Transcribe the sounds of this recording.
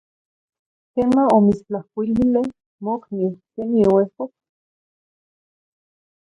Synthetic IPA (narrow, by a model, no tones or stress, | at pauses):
kenaomit͡st͡ɬahkʷilile | moknikeniowehkok